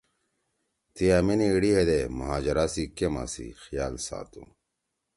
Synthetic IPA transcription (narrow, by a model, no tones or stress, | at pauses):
t̪ijaminiːɽiɦed̪emɐɦaːd͡ʑɐɾasikema̰sḭxijaːlsa̰ːt̪ṵ̃